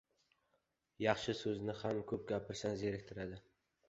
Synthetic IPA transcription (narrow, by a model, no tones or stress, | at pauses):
jɑχʃɪsɵznɪhamkʰɵp̚ɡʲapʰɪɾsanzeɾɪkʲt̪ʰɪɾad̪ɪ